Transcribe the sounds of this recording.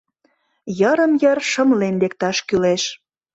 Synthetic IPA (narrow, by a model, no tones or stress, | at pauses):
jəɾə̆mjərʃə̆mlenlekt̪ɑʃkyleʃ